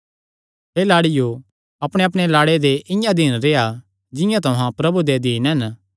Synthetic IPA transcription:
ɦeːlaːɽɪjo | ɐpɽ̃eɐp̬ɽ̃elaːɽed̪eʔɪjãd̪iːnɾeːa | d͡ʒɪ̃jãt̪ɐɦãpɾɐbud̪ed̪iːnɦɛn

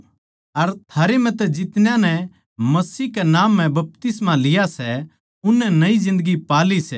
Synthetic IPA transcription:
ɐɾt̪ʰaːɾem̤ɛ̃t̪ɛd͡ʒɪt̪njãnɛ | mɐsiːɦkɛnaːmːɛ̃bɐp̚t̪ɪsmãlɪjasɛ | ʊnːɛnɐizɪ̃nd̪əɡipaːlisɛ

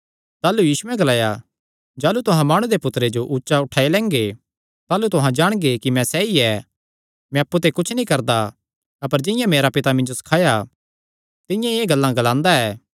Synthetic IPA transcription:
t̪aːlujiːsuɛ̃ɡɐlaːja | d͡ʒaːlut̪ʊɦãmaːɽ̃ud̪epʊt̪ɾed͡ʒoʔʊtːʃaʊʈʰaːelɛ̃ːŋɡe | t̪aːlut̪ʊɦãd͡ʒaːɽ̃ɡekimɛ̃sɛːiɛ | mɛ̃ɐpːut̪̬ekʊt͡ʃʰnĩkɐɾd̪a | ɐpəɾd͡ʒɪ̃jãmeːɾapɪt̪amɪ̃nd͡ʒosɐ̥kʰaːja | t̪ɪ̃jãieːɡɐlːãɡɐlãːnd̪aɛː

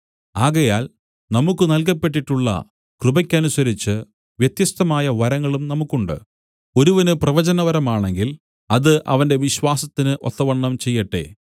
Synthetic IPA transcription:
aːɣɐjaːl | nɐmukːɨnɐlk̬ɐpːeʈːiʈːuɭːɐ̰ | krɨbɐkʲːɐnusɐɾit͡ɕːɨ | ʋjet̪jɐst̪ɐmaːjɐʋɐɾɐŋːɐɭumnɐmukːuɳɖɨ̰ | o̞ɾuʋɐnɨprɐʋɐd͡ʑɐnɐʋɐɾɐmaːɳe̞ŋɡil | ɐðɨʔɐ̰ʋɐnde̞ʋiɕwaːsɐt̪ːinɨʔo̞̰t̪ːɐʋɐɳːɐmt͡ɕe̞jːɐʈːe̞̰

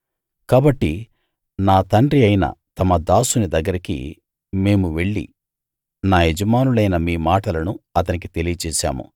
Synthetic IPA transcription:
kaːbɐʈːi | naːt̪ɐɳɖɾiɐjnɐ̰t̪ɐmɐd̪aːsunid̪ɐɡːɐɾikḭ | me̞ːmuʋe̞ɭːḭ | naːɦed͡ʒɐmaːnulɐjnɐmiːmaːʈɐlɐnuɐt̪ɐnik̬it̪e̞lijɐt͡ʃɛːʃa̰ːmṵ

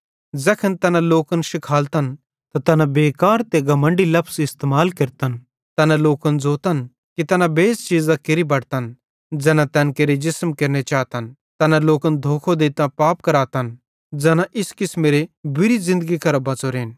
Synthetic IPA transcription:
d͡zɛːkʰənt̪ɐnãloːkənʃɪkʰaːlt̪ɐn | t̪at̪ɐnãbeːkaːɾt̪eɡɐmə̃ɳɖilɐpʰsɪst̪eːmaːlkɐɾt̪ən | t̪ɐnãloːkənd͡zoːt̪ɐn | kit̪ɐnãbeːst͡ʃiːzãkeɾibɐɽt̪ən | d͡zɛːnãt̪ɛ̃nkeɾed͡ʒɪsmkeɾnet͡ʃaːt̪ɐn | t̪ɐnãloːkənd̪ʱoːkʰod̪eːt̪ãpaːpkɐɾaːt̪ɐn | d͡zɛːnãʔɪskɪsmeːɾebʊɾizɪ̃nd̪əɡikɐɾobɐt͡soɾeːn

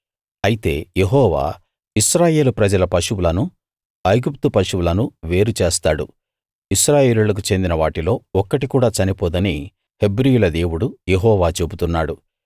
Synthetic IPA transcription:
ɐjit̪e̞ːjeɦɔːʋa̰ː | iʃɾaːje̞ːlupɾɐd͡ʒɐlɐpɐʃuwulɐnu | ɐjɡupt̪upɐʃuwulɐnuʋe̞ːɾut͡ʃe̞ːst̪aːɽṵ | iʃɾaːje̞ːlulɐk̬ut͡ʃe̞nd̪inɐʋaːʈilo̞ːɔkːɐʈikuːɽaːt͡ʃɐnipɔːd̪ɐni | he̞bɾijulɐd̪e̞ːwuɽujeɦɔːʋaːt͡ʃe̞but̪unːaːɽu

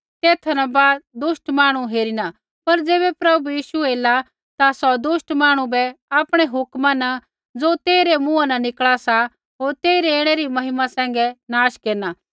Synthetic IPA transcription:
t̪eːt̪ʰɐnabaːd̪̚d̪ʊʃʈmaːɽ̃uɦeːɾina | pɐɾd͡zeːbɛpɾɐbbujiːʃueːla | t̪asɔd̪ʊʃʈmaːɽ̃ubɛaːpɽ̃ɛɦʊkmana | d͡zoːt̪eːiɾɛmũanɐnɪkɭasa | ɦoːɾt̪eːɪɾɛeːɽ̃ɛɾimɐɦɪmasɛ̃ːŋɡɛnaːʃkeːɾnaː

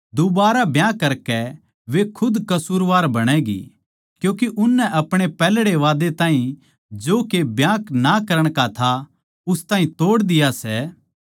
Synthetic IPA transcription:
d̪ʊbaːɾabjãːkɐɾkɛ | ʋekʰʊd̪kɐsuːɾʋaːɾbɐɽ̃ɛɡḭ | kjũːkiʔʊnːɛʔɐpɽ̃epɛːlɽeʋaːd̪et̪ãːɦĩ | d͡ʒoːkebjãːknakɐɾəɽ̃kat̪ʰa | ʊst̪ãːɦĩt̪oːɽd̪ɪjasɛ

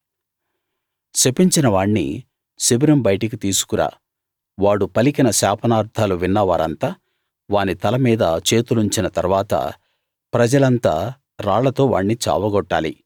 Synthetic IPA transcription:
t͡ʃepːiɲt͡ʃinɐʋaːɳːḭ | sibiɾɐmbɐjʈɐk̬it̪iːsu̥kuɾa̰ː | ʋaːɽupɐlikinɐsaːpʰɐnaːɾd̪ʰʱaːluʋinːɐʋaːɾɐ̰nt̪aː | ʋaːnit̪ɐlɐmiːd̪ɐt͡ʃe̞ːt̪uluɲt͡ʃinɐt̪ɐɾʋaːt̪ɐ̰ | pɾɐd͡ʒɐlɐnt̪a̰ː | ɾaːɭɐt̪o̞ːʋa̰ːɳːit͡ʃa̰ːʋɐɡɔʈːa̰ːlḭ

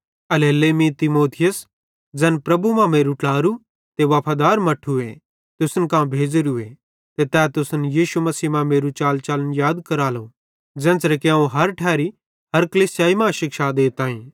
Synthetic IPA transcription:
ɐleːlemĩt̪ɪmoːt̪ʰɪjəs | d͡zɛːnpɾɐbumãmeːɾuʈlaːɾu | t̪eʋɐpʰaːd̪aːɾmɐʈʰue | t̪ʊsənkãːbʱeːd͡ʒɾʊḛ | t̪et̪ɛːt̪ʊsənjiːʃumɐsiːmãmeːɾut͡ʃaːlt͡ʃaːlənjaːd̪kɐɾaːlo | d͡zɛ̃ːnt͡sɾekeãũɦɐɾʈʰɛːɾi | ɦɐɾkɐliːsjaːimãʃɪkʃad̪eːt̪ãːĩː

